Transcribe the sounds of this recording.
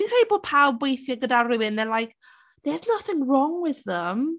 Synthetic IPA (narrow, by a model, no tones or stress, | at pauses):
ĩkʰeːiboːd̚pʰabwejθjaɡədarɪwɪnɛlˠajk | ðɛznʌθɪ̃ŋrɔŋwɪðəm